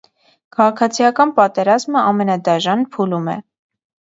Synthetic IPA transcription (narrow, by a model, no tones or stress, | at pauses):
kʰɑʁɑkʰɑt͡sʰijɑkɑnpɑt̪ɛɾɑzməɑmɛnɑd̪ɑʒɑnpʰulumɛ̰